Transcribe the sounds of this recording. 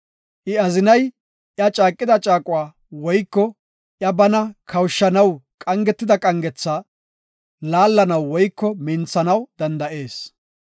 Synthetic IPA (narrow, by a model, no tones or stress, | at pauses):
ʔɪɐzɪnɐj | ʔjɐt͡ʃʼaːkʼːɪd̪ɐt͡ʃʼaːkʼʊwaː | wɔjkːɔ | ʔjɐbɐnɐkʰɐwʃːɐnɐwkʼɐŋɡɛt̪ːɪd̪ɐkʼɐŋɡɛt͡sːaː | laːlːɐnɐwːɔjkːɔmɪnt͡sːɐnɐwd̪ɐnd̪ɐʔe̞ːs